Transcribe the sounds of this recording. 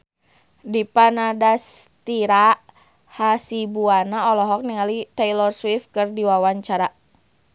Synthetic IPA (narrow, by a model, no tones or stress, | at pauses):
dipanadast̪iɾaʔ | hasibuanaɔlɔɦɔk̚niŋalit̪ɛilɔrswifkɨrdiwawaɲt͡ʃaɾa